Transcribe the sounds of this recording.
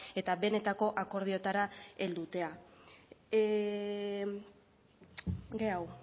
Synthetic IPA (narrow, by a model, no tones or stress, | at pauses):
e̞t̪abe̞ne̞t̪ako̞ʔako̞ɾð̞io̞t̪aɾae̞ld̪ut̪e̞a | ɡe̞aw